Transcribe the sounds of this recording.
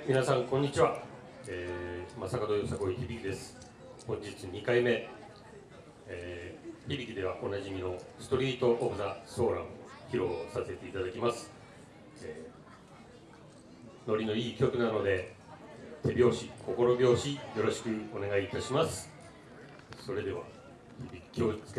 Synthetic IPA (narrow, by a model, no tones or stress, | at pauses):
mʲinasãŋkõɲ̟ːit͡ɕiβa | emasakad̪o̞joːsako̞içibʲikʲid̪e̞sɨ̥ | hõ̞ɲ̟d͡ʑit͡sɨɲ̟ikaime̞ | çibʲikʲid̪e̞βaʔo̞naʑimʲino̞sɨ̥t̪o̞ɾʲiːt̪o̞ʔːbɯnaso̞ːɾã̰m̃oçiɾo̞sase̞t̪e̞it̪ad̪akʲimasɨ̥ | no̞ɾʲino̞iːkʲo̞kɯ̟nano̞d̪e̞ | t̪ʰe̞bʲo̞ːɕikʰo̞ko̞ɾo̞bʲo̞ːɕijo̞ɾo̞ɕi̥kɯ̟o̞ne̞ɡaiːt̪aɕimasɨ̥ | so̞ɾe̞d̪e̞βa̰ | çibʲikʲi̥kʲʰoːit͡sɨ̥k